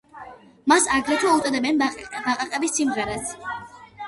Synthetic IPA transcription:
masaɡɾɛt̪ʰwaut̪ʼɔd̪ɛbɛnbaqʼaqʼɛbisːimʁɛɾas

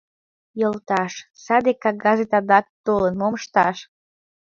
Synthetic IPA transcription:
jolt̪ɑʃsɑd̪ekɑɣɑzet̪ɑd̪ɑk̚t̪olənmoməʃt̪ɑʃ

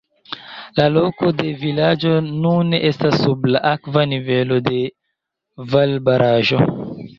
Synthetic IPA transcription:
lalo̞ko̞de̞vilad͡ʒo̞nuneʔestasːublaʔakvanive̞lo̞de̞ | valbaɾʔaʒo̞

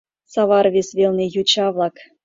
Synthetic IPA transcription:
sɑβɑɾvʲesʲvʲelʲnʲejut͡ɕɑvlˠɑk

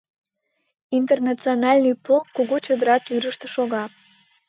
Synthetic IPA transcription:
int̪ernɑt͡sionɑlʲnijpolkːuɣot͡ɕod̪əɾɑt̪yɾəʃt̪ə̆ʃoɣɑ

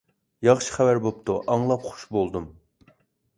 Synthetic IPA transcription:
jɑχʃi̥χævæɾbopt̪ʰuʔɑŋlˠɑpχu̥ʃbolˠd̪um

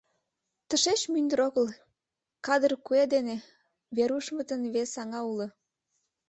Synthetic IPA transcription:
t̪əʃet͡ɕmynd̪ə̆ɾoɣəl | kɑd̪ərkued̪ene | βeɾuʃmət̪ənβesɑŋɑulɤ̆

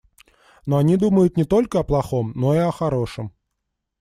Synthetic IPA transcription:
noɐnʲid̪uməjʊt̪nʲɪt̪o̞lʲkəɐplˠɐxo̞mno̞iɐxɐɾo̞ʂəm

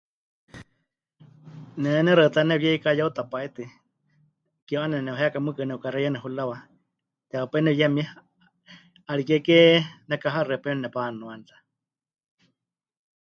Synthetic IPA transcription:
nɛnɛɾət̪anɛβjɛikajaut̪apaɛt̪i | kioʔanɛnɛnɛwɦɛakamɨkɨnɛukaɾɛjanɛɦulawa | t̪ɛaupɛnɛjɛmia | aɺikɛkɛnɛkaɦarɛpɛnnɛpanuant̪ḁ

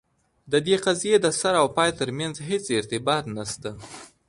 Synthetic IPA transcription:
d̪əd̪eqazijed̪əsaɾawpɑjt̪əɾmjanzɦet͡sɪɾt̪ɪbɑt̪nast̪a

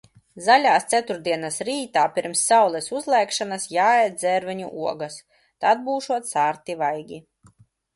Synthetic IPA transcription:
zalʲaːst̪sʲæt̪uɾd̪iɛnasɾiːt̪aːpʲiɾmsːawlˠɛsuzlˠɛːkʃanasjaːɛjd̪̚d̪zɛɾvɛɲṵʔuɔɡas | t̪ad̪̚buːʃuɔt̪saːɾt̪ivajɡʲi

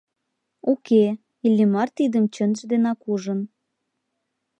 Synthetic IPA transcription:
uke | ilʲːimɑrt̪id̪əmt͡ɕə̆nʒd̪enɑkuʒə̆n

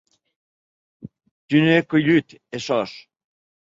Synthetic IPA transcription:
t̪ynekulyt̪eʃɔʃ

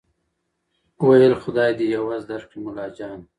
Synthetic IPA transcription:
wajəlxʊd̪ɑːjd̪ijawaːzd̪aɾqimʊlɑːd͡ʒɑːn

